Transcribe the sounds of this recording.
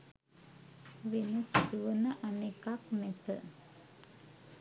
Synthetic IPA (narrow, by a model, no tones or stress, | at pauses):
ʋenəsit̪uʋənəʔanekaknɛt̪ə̰